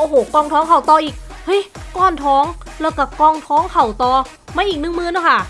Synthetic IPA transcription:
ʔoː˧ɦoː˨˩˦kɔː˧ŋt̪ʰɔː˦˥ŋkʰa˧˩wt̪ɔː˧ʔiː˨˩k̚hɤ˦˥˨jkɔː˧˩nt̪ʰɔː˦˥ŋlɛː˦˥˩wkaː˧˩kɔː˧ŋt̪ʰɔː˦˥ŋkʰa˧˩wt̪ɔː˧ | maː˧˩ʔiː˨˩k̚nɯ˧˥˩ŋmɯː˧nɔː˧˥˩kʰa˥˩

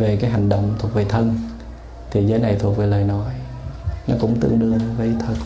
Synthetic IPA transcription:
ve˨˩kaː˨˦jɦa˨˩jŋ̟ɗə̰˧˨wŋ͡mt̪ʰu˨˩ək̚ve˨˩t̪ʰə˧n | t̪ʰi˨˩zəː˨˦jna˨˩jt̪ʰu˨˩ək̚ve˨˩ləː˨˩jnɔ˨˦j | nɔ˨˦kʊ̰˧˥ŋ͡mt̪ɨ̰˧˨əŋɗɨ˧əvə˨˦t̪ʰə˨˩t̚

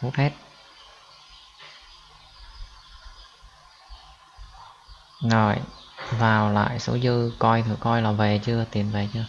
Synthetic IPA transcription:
fu˦˥t̚he˦˥t̚ | zo˨˩jvaː˨˩wla̰ː˧˨jsə̰˨˧˦wzɨ˧kɔ˧jt̪ʰi˨˩kɔ˧jlaː˨˩ve˨˩t͡ɕɨ˧ət̪i˨˩ənve˨˩t͡ɕɨ˧ə

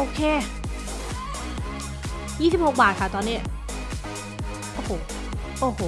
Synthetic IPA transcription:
ʔoː˧kʰeː˧ | jiː˥˩si˨˩p̚ho˨˩k̚baː˨˩kʰa˥˩t̪ɔː˧nːi˦˥˩ɐ | ʔoː˨˩hoː˩ | ʔoː˨˧˩hoː˨˩˦

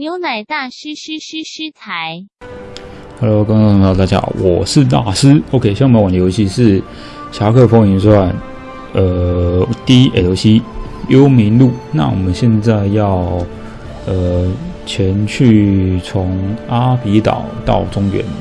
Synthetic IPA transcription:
njo˧˥ʊna˨˩ɪt̪a˥˩ʂ̩˥ʂ̩˥ʂy˥ʂ̩˥t͡sʰa˧˥ɪ | xa˧˥lo˧˥kɑ˥ŋ˥˧˥t̪a˥˩t͡ɕja̰˥wʔɔ˨˩ʂɻ̩˥˧t̪a̰˥˩sɹ̩˥o˧˥kʰe˥ɪɕjɑ˥ŋ˥˨˧wa˨˩nə˧jo˧˥ʊɕi˥ʂɻ̩˥˩ | ɕja˧˥kʰɤ˥˧˩fo˥ŋi˧˥nswa˥˩n | ə˧t̪i˥e˨˩jo˧˥ʊɕi˥ | jo˦˥ʊmi˧˥nlu˥˩na̰˥˩wɔ̰˨˩mə˦nɕjɛ˥˧nt͡sa˥˧ɪjɑ˥˩ʊ | ə˨˩t͡ɕʰjɛ˧˥nt͡ɕʰy˥˩t͡sʰʊ˧˥ŋa˥pi˧˥t̪ɑ̰˨˩˦ʊt̪ɑ̰˥˩ʊʈ͡ʂʊ˥ŋɥɛ̰˧˥n

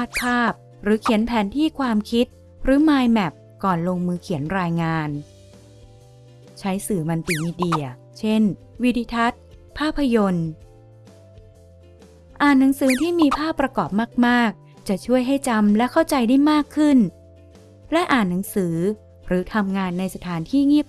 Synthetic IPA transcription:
a˦˥˩t̪̚pʰaː˥˩p̚ | ɾɯː˩˦kʰi˨˩˦ənpʰɛː˩˦nt̪ʰiː˥˩kʰwaː˧mkʰi˦˥t̪̚ | ɾɯː˩˦maː˧jmɛ˨˩p̚ | kɔː˨˩nloː˧ŋmɯː˧kʰi˨˩˦ənɾaː˧jŋaː˧n | t͡ɕʰa˦˥jsɯː˨˩ma˧nt̪iː˧˩miː˧di˧˩ɐ | t͡ɕʰe˥˩n | wi˧t̪iː˧t̪ʰa˦˥t̪̚pʰaː˥˩pʰːa˧jo˧n | ʔaː˨˩nːa˩˦ŋsɯː˩˦t̪ʰiː˥˩miː˧pʰaː˥˩pːɾa˧kɔː˨˩p̚maː˥˩k̚maː˥˩k̚ | t͡ɕa˨˩t͡ɕʰu˥˩əjɦa˥˩jt͡ɕa˧mlɛ˦˥kʰa˥˩wt͡ɕa˧jda˥˩jmaː˥˩kʰːɯ˥˩n | lɛ˦˥ʔaː˨˩nːa˩˦ŋsɯː˩˦ | ɾɯː˩˦t̪ʰa˧mŋaː˧nːa˧jsa˧t̪ʰaː˩˦nt̪ʰiː˥˩ŋi˥˩p̚

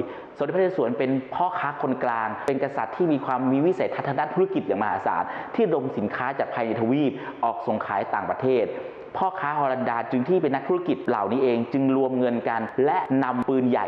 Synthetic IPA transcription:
snː˨˦pʰːeː˥˧˩su˩˦npe˧npʰɔː˥˩kʰaː˦˥kʰo˧nklaː˧ŋpe˧nka˧sa̰˨˩t̪ʰːiː˥˩miː˧kʰwaː˧mːiː˧wi˦˥sa˨˦t̪ʰa˦˥t̪ʰːa˧daː˥˨nt̪ʰa˥˩ki˨˩t̪̚jaː˨˩ŋma˧haː˨˦sa̰ː˩˦˥t̪̚ʰːiː˥˩do˧msi˩˦nkʰaː˦˥t͡ɕaː˨˩k̚pʰaː˧jna˧t̪ʰa˧wiː˥˩p̚ | ʔɔː˨˩k̚so˨˩ŋkʰa̰ː˩˦jt̪aː˨˩ŋpɾa˧t̪ʰeː˥˩t̪̚ | pʰɔː˥˩kʰaː˦˥hɔː˧la˧ndaː˧t͡ɕɯ˧ŋt̪ʰiː˥˩pe˧nːa˦˥kt̪ʰu˦˥a˥ki˨˩t̪̚la̰˨˩wniː˦˥ʔeː˧ŋt͡ɕɯ˧ŋɾu˧əmŋɤ˧nka˧nlɛ˦˥ʔna˧mpɯː˧nja̰˨˩

